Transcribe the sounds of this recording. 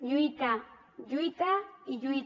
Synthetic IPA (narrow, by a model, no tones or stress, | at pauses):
ʎʊjt̪a | ʎʊjt̪aɪʎʊj